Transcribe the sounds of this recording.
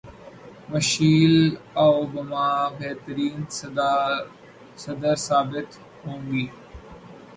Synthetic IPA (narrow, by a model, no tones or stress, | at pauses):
mɐʃiːlawbɐmaːbeːt̪əɾiːn | sɐd̪əɾsaːbɪt̪ | hõːŋɡiː